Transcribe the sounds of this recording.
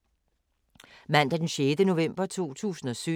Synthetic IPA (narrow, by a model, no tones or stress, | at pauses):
mæn̰d̥æd̥enɕeːd̥əno̝ʋem̰b̥ɐt͡sʰo̝̰ːt͡sʰṵːsn̩ɒ̽sy